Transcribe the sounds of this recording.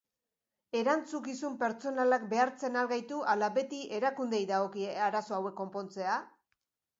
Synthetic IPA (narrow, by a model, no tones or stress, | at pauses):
e̞ɾant͡sukisumpe̞ɾt͡so̞nalak̚be̞aɾt͡se̞nalɣajt̪uʔalaβe̞t̪iʔe̞ɾakund̪e̞jðaɣ̞o̞kiaɾaso̞awe̞kːo̞mpo̞nt͡se̞a